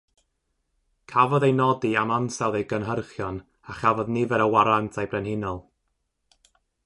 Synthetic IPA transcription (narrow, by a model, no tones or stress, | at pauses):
kʰavɔðejnɔdiamansɛlˠðejɡənɦərχjɔn | aχavɔðnɪvɛɾəwaɾantʰajbrɛnhɪnɔlˠ